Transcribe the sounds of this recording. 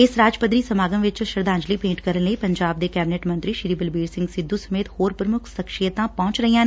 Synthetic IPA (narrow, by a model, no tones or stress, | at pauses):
ɪsɾaːd͡ʒpəd̪ɾiːsəmaːɡəmʋɪt͡ʃʃəɾd̪ãːɲd͡ʒliːpẽːʈkəɾənləiːpəɲd͡ʒaːb̚d̪eːkɛːbɪneʈmənt̪ɾiːʃɪɾiːbəlbiːɽsɪ̃ŋɡsɪd̪ːuːsəmeːt̪hoːɾpɾəmʊkʰsəkʃijət̪ãːpɔ̃ːt͡ʃɾəɦijãːne